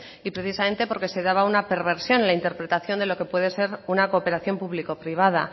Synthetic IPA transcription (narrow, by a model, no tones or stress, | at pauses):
ipɾe̞θisamẽ̞nt̪e̞po̞ɾke̞se̞ð̞aβ̞aunape̞ɾβe̞ɾsjo̞nlaint̪e̞ɾpɾe̞t̪aθjo̞nd̪e̞lo̞ke̞pwe̞ðe̞se̞ɾunakoːpe̞ɾaθjo̞mpuβliko̞pɾiβ̞að̞a